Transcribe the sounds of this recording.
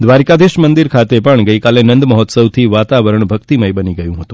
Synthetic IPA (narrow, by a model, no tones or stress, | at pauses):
d̪ʋaɾkad̪ʱiʃmənd̪iɾkʰat̪epəɳɡəikalenənd̪məɦɔt̪səwt̪ʰiʋat̪aʋəɾəɳbʱəkt̪iməjbəniɡəjũɦət̪ũ